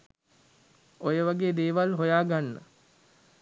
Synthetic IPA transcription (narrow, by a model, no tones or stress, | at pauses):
ojəʋaɡeːd̪eːʋalɦojaːɡanːə̰